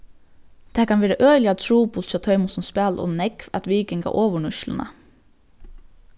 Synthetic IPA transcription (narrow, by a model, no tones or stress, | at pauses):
d̪̥eːkɑnʋeːɾəʔøːʏlɪɑt̪ʰɾuːbʊlt̪çɑt̪ʰœʏmʊsɔnspæːlʔɔ̰nnɛkʋɑt̪ʋiːkɪŋɡɑ̰ːʔoːʋəɳʉʃlə̰nɑ̰